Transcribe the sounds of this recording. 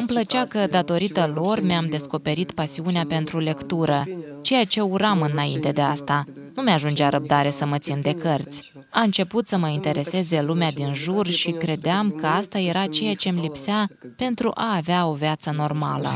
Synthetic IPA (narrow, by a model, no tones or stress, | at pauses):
ɨmplət͡ʃeakəd̪at̪o̞ɾit̪əlo̞rmeamd̪e̞sko̞pe̞ɾit̪pasiuneape̞nt̪ɾule̞kt̪uɾət͡ʃe̞jat͡ʃe̞uɾamɨnaint̪e̞d̪e̞ast̪anumeaʒund͡ʒaɾəb̚d̪aɾe̞səmət̪sind̪e̞kərt̪sʲ | aɨnt͡ʃe̞put̪səməint̪e̞ɾe̞se̞ze̞lumead̪inʒurʃikɾe̞d̪eamkəast̪aje̞ɾʔat͡ʃe̞jat͡ʃe̞mlipseape̞nt̪ɾṵʔaːveao̞viat̪səno̞rma̰lə̰